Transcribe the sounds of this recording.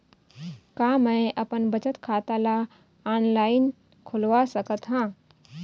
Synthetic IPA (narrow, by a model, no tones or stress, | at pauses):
kaːmɛ̃ʔɐpənbət͡ʃət̪kʰaːt̪ala | aːnlaːɪn | kʰʊlʋasəkət̪ɦãː